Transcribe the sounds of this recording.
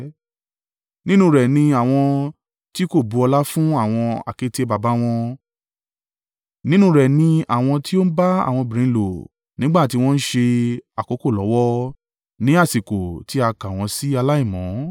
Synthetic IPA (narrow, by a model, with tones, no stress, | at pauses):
nĩ˦nũ˦ɾɛ˨nĩ˧a˦˨w̃ɔ̃˧ | ti˦ko˦˨bu˨˧ɔ˧la˦fũ˦a˦˨w̃ɔ̃˧a̰˨ke˨˦te˦ba˧ba˦w̃ɔ̃˧ | nĩ˦nũ˦ɾɛ˨nĩ˧a̰˨w̃ɔ̃˧ti˦o˦n̩˦ba˦a̰˨w̃ɔ̃˧bi˨ɾĩ˨˧˦lo˨ | nĩ˦ɡ͡ba˦˨ti˧w̃ɔ̃˦n̩˦ʃe˧a˨ko˨˦ko˦˨lɔ˨˦wɔ˦ | nĩ˨˦a˦˨si˨ko˨ti˨˦a˧kã˨w̃ɔ̃˧si˦a˧la˦i˦˨mɔ̃˨˦